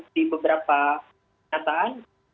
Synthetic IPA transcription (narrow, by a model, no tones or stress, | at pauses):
ibəbəɾapa | at̪aʔan